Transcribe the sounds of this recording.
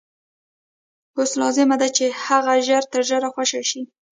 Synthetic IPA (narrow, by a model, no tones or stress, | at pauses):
hoslɑzɪmad̪at͡ʃehaɣaʒaɾt̪əɾʒəɾaxwaʃaʃi